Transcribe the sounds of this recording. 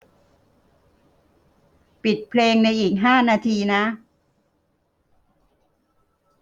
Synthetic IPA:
pi˨˩t̪̚pʰleː˧ŋna˧jʔiː˨˩k̚ɦaː˥˩naː˧t̪ʰiː˧na˦˥

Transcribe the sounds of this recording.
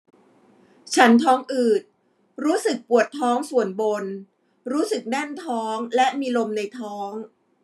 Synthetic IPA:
t͡ɕʰa˦˥nt̪ʰɔː˦˥ŋʔɯː˨˩t̪̚ | ɾuː˦˥sɯ˨˩k̚pu˨˩ət̪ʰːɔː˦˥ŋsu˨˩ənbo˧n | ɾuː˦˥sɯ˨˩k̚nɛ˥˩nt̪ʰɔː˦˥ŋlɛ˦˥ʔmiː˧lo˧mna˧jt̪ʰɔː˦˥ŋ

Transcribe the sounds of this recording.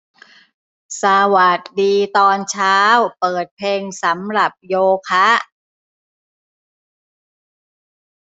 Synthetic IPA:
sa˧wa˨˩t̪̚diː˧t̪ɔː˧nt͡ɕʰaː˦˥wpɤː˨˩t̪̚pʰeː˧ŋsa˩˦mɾa˨˩p̚joː˧kʰa˦˥

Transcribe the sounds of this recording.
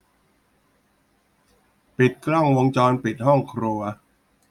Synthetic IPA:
pi˨˩t̪̚kɾɔ˥˩ŋwo˧ŋt͡ɕɔː˧npi˨˩t̪̚hɔ˥˩ŋkʰɾu˧ɐ

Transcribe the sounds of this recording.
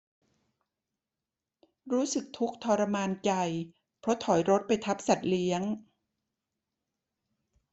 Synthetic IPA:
ɾuː˦˥sɯ˨˩k̚t̪ʰu˦˥k̚t̪ʰɔː˧ɾa˧maː˧nt͡ɕa˧j | pʰɾɔ˦˥t̪ʰɔ˩˦jɾo˦˥t̪̚pa˧jt̪ʰa˦˥p̚sa˨˩t̪̚li˦˥əŋ

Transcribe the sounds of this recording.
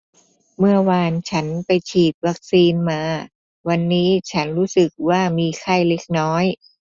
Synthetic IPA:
mɯ˥˩ɐwaː˧nt͡ɕʰa˦˥npa˧jt͡ɕʰiː˨˩t̪̚wa˦˥k̚siː˧nmaː˧ | wa˧nːiː˦˥t͡ɕʰa˦˥nɾuː˦˥sɯ˨˩k̚waː˥˩miː˧kʰa˥˩jle˦˥k̚nɔː˦˥j

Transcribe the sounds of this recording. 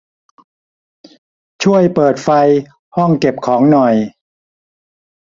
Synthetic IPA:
t͡ɕʰu˥˩əjpɤː˨˩t̪̚fa˧j | hɔ˥˩ŋke˨˩p̚kʰɔː˩˦ŋnɔ˨˩j

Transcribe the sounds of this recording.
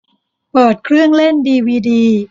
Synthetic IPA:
pɤː˨˩t̪̚kʰɾɯ˥˩əŋle˥˩ndiː˧wiː˧diː˧

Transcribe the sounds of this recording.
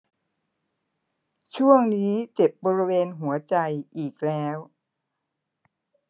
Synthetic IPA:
t͡ɕʰu˥˩əŋniː˦˥t͡ɕe˨˩p̚bɔː˧ɾi˦weː˧nɦu˩˦ɐt͡ɕa˧jʔiː˨˩k̚lɛː˦˥w

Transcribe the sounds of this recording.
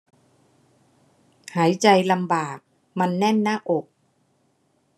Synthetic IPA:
haː˩˦jt͡ɕa˧jla˧mbaː˨˩k̚ | ma˧nːɛ˥˩˨nnaː˥˩ʔo˨˩k̚

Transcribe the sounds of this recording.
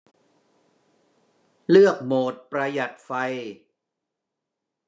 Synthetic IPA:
lɯ˥˩ək̚moː˨˩t̪̚pɾa˧ja˨˩t̪̚fa˧j

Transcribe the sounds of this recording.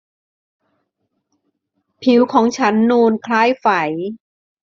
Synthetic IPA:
pʰi˨˩˦wkʰɔː˩˦ŋt͡ɕʰa˦˥nːuː˧nkʰlaː˦˥˩jfa˩˦j

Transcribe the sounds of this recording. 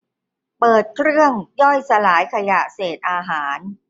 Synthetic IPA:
pɤː˨˩t̪̚kʰɾɯ˥˩əŋjɔ˥˩jsa˧laː˩˦jkʰa˧ja˨˩ʔseː˨˩t̪̚ʔaː˧ɦaː˩˦n

